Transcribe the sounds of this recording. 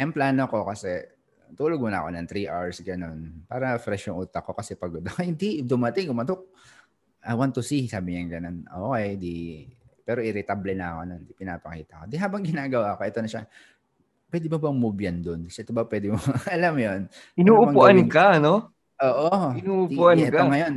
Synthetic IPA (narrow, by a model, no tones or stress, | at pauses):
jɐŋplaːnoko̞kɐsɛ | t̪uːloɡ̚mʊnɐʔko̞nɐŋt̪ɾiʔaɹsɡɐno̞npaːɾɐfɾɛʃoŋʔuːt̪ɐko̞kɐsɛpɐɡod̪ɐkhɪnd̪id̪ʊmɐt̪ɪŋɡʊmɐt̪ok̚ | ʔɐjwant̪ːʊsisaːbɪɲɐŋɡɐnonʔoːʔkɛjnd̪ipɛːɾo̞ʔɪɾɪt̪ablɛnɐɐkonɐnɪpɪna̰ːpɐkiːt̪ɐko̞d̪ɛɦaːbɐŋɡɪnaːɡɐwaːko̞ʔɛt̪o̞nɐʃa̰ | pwɛd̪ɪmʊbɐŋmubjɐnd̪onɐsɛʔɛt̪obɐpwɛd̪ɪmoʔɐlamjo̞n | ɪnuːʔʊbɐŋʊʔɐnkɐɐno | ʔoːʔoɪnuːʊp̪ːuʔɐɛkoŋɐjo̞n